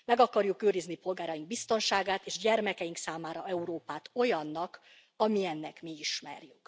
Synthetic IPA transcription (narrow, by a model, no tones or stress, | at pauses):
mɛɡɒkɒrjukøːɾiznipo̞lɡaːɾɒjiŋɡ̚bist̪o̞nʃaːɡaːt̪eːʃɟɛrmɛkɛjiŋksaːmaːɾɒɛuɾoːpaːt̪o̞jɒnːɒk | ɒmiɛnːɛkmiiʃmɛ̰rjyk